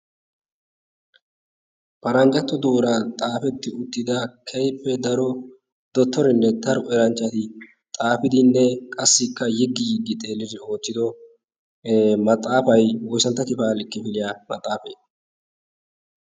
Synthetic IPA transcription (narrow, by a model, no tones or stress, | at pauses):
pɐɾɐnd͡ʒɐt̪ːɔd̪uːɾɐt̪ʼaːfɛt̪ːɪʊt̪ːɪd̪ɐkʰɛjpːɛd̪ɐɾɔ | d̪̥ɔt̪ːɔɾɪnːɛd̪ɐɾɔʔɛɾɐnt͡ʃʼːɐt̪ɪ | t̪ʼaːfɪd̪ɪnːɛkʼɐsːɪkːɐjɪɡːɪjɪɡːɪt̪ʼeːlːɪd̪ɪo̞ːt̪ːɪd̪ɔ | mɐt̪ʼːaːfɐjwɔjsɐnt̪ːɐkɪpaːlɪkːɪfɪlɪjaːmɐt̪ʼːaːfḛː